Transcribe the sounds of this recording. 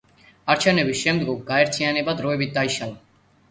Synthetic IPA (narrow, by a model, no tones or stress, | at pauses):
aɾt͡ʃʰɛnɛbisʃɛmd̪ɡɔɡɡaɛɾt̪ʰianɛbad̪ɾɔɛbit̪̚d̪aiʃalˠa